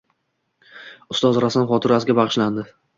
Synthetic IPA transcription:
ʊst̪ɒzɾasanχɒt̪ʰɪɾasɪɡʲabɑʁɨʃland̪ɪ

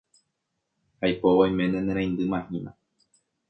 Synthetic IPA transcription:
hajpoʋajmẽnẽnẽɾ̃ãj̃nd̪ɨmãhĩnã

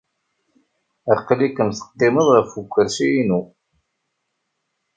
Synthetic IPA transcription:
æqːlikəmθə̥q̪ːɪməðˤæfukʷːəɾsijinu

